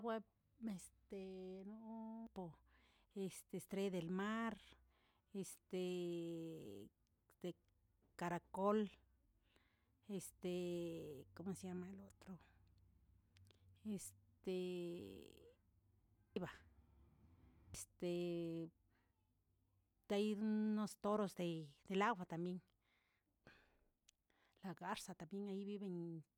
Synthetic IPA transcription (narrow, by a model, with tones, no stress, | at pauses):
we˦ | me˨st̪enopo˧ | est̪est̪ɾe˦d̪e˨lma˦ɾ | est̪e | d̪e | kaɾako˦l | est̪e | komosjama˧elo˦t̪ɾo˧ | e˧st̪e˨ | ba˨ | est̪e˨ | d̪a˧˦jd̪no˦st̪o˦ɾo˧sd̪e˧d̪̥e˨la˦wʷa˧t̪a˨mbje˦ŋ | la˨ɡa˦ɾsa˨˧t̪a˨mbje˦ŋa˧ji˦βi˦be˧ɲ